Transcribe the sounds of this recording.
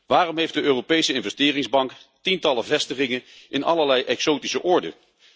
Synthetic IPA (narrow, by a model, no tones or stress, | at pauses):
ʋaːrɔmɦejfdəøːrowpejsəɪnvɛstɪːrɪŋzbɑŋktintɑləvɛstəχɪŋənʔɪnʔɑ̰ləɹlɛjʔɛksowtisəʔɔɹdə̰